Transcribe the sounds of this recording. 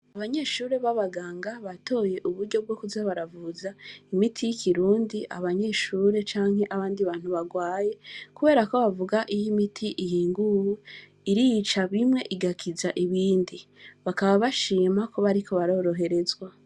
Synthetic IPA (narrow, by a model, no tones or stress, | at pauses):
aβaɲe̞ːʃuːɾe̞βaβaɡaːŋɡaβato̞ːje̞ʔuβuɾɟo̞b̚ɡo̞kuzaβaɾavuzaimitʰijikʰiɾuːndia̰βaɲe̞ʃuːɾe̞t͡ʃaːŋ̥he̞ʔaβaːndiβaːn̥huβaɡwaːje̞kuβe̞ːɾako̞βavuɡaʔijimitʰiʔijiːŋɡuhu | iɾijit͡ʃaβimŋe̞ʔiɡakʰizaʔiβiːndiβakaβaβaʃiːmako̞βaɾiko̞βaɾo̞ːɾo̞ɦe̞ɾe̞zwa